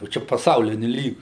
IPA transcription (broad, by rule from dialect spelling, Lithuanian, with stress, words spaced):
jɛʊ ˈt͡ʃʲɛ pɐˈsɐʊlʲɪnʲʊ ˈlʲiːɡʲʊ